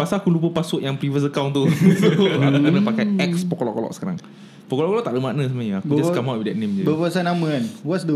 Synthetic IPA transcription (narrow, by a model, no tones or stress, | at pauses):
pasaːkulup̬əpasʊʔjaŋpɾivəs̬əkawnt̪u | akkunəpakajɛk̚spɔkɔlɔʔkolɔ̰ʔ̚sə̥kaɾa̰ŋ | pɔkɔlɔʔkɔlɔʔ̚t̪aʔləmaʔnəs̬əmaɲəakud͡ʒasskamawt̚idɛt̪̚nẽmd͡ʒabəpəasanamə̃anwɔtsdə